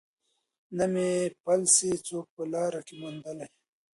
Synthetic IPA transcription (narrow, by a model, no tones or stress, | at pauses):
nɐmepɐlset͡soːk̚pəlaːɾakimund̪ɐla